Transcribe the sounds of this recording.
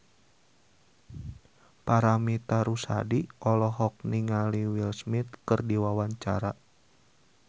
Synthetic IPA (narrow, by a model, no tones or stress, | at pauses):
paɾamit̪aɾusa̰diʔɔlɔɦɔk̚niŋaliwilsmit̪̚kɨrdiwawaɲt͡ʃa̰ɾa